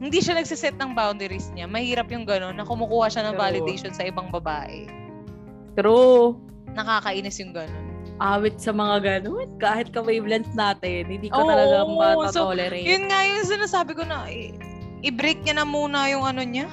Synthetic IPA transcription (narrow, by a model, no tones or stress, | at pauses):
hɪnd̪iʃanɐɡ̚sɪsɛt̪̚nɐŋbawnd̪ɛɾɪsɲamɐhiːɾɐpjʊŋɡɐno̞nːɐkʊmʊkuːhɐʃanɐŋvaːlɪd̪ɛjʃonsɐʔɪbɐŋbɐbaːʔɛ̰ | t̪ɾo | nɐkaːkɐʔiːnɪsjʊŋɡɐnonʔaːwɪt̪̚sɐmɐŋaɡɐnonkaːhɪt̪̚kɐmɐjblɐnsnaːt̪ɪnhɪ̃nd̪iːʔoʊːɐlɐɡ̪aatsolɛɾɛjʊnŋajʊŋs̬ɪnasaːbɪko̞nɐʔ | ʔɪbɾejk̚ɲɐnɐmuːnɐjʊŋʔɐnoɲa